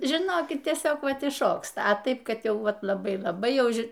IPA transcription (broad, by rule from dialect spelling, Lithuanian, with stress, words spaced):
ʒʲɪˈnoːkʲɪt tʲiɛˈsʲoːk ˈʋɐt ɪʃˈʃoːkstɐ ɐ ˈtɐɪp kɐdʲˈjɛʊ ˈʋɐt lˠɐˈbɐɪ lˠɐˈbɐɪ ˈjɛʊ ˈʒʲɪ